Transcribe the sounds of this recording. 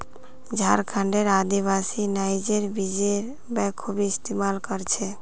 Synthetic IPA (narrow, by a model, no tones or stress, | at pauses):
d͡ʒʱaɾkʰãɳɖeɾad̪iβasinaɪd͡ʒeɾbid͡ʒeɾ | bɛ̃kʰubiɪst̪imalkəɾt͡ʃʰe